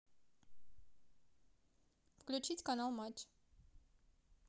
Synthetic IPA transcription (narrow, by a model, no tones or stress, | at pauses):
fklʲut͡ɕitʲkanalˠmat͡ɕ